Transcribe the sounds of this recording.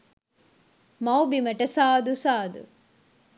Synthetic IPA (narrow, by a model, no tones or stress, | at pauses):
mɐwbimɐʈɐsaːd̪usaːd̪ṵ